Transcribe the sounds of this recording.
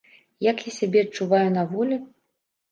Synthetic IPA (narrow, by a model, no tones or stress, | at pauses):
jakjasʲabʲɛɐt͡ʂːuvajunɐvɔlʲi